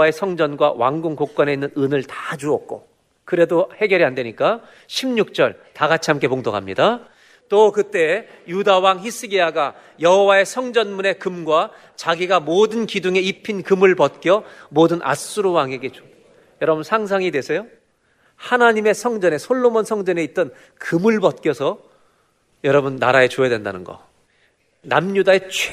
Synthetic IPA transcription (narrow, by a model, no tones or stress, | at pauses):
ae̞sʰʌŋd͡ʑʌnɡwa̰wa̰ŋɡoŋkok̚k͈wane̞inːɯnɯnɯɭtad͡ʑuʌk̚k͈o̰ | kɯɾe̞dohe̞ɡjʌɾiandwe̞ɲik͈a | ɕʰimɲuk̚t͡ɕ͈ʌ̰ɭtaɡat͡ɕʰiɦamk͈e̞poŋdoɡɦamɲida | t͈okɯt͈e̞ | judawaŋçis͈ʰɯɡiaɡa | jʌɦʌwae̞sʰʌŋd͡ʑʌnmune̞kɯmɡwa | t͡ɕaɡiɡamodɯnkiduŋe̞ipʰinkɯmɯɭpʌt̚k͈jʌmodɯnʔa̰s͈uɾowaŋeɡe̞t͡ɕo | jʌɾʌbunsʰaŋs̬ʰaŋidwe̞sʰʌjo | hanaɲime̞sʰʌŋd͡ʑʌne̞sʰoɭːomonsʰʌŋd͡ʑʌne̞it̚t͈ʌn | kɯmɯɭpʌt̚k͈jʌsʰʌ | jʌɾʌbunːa̰ɾae̞t͡ɕoedwe̞nda̰nɯnɡʌ̰ | namɲudae̞t͡ɕʰ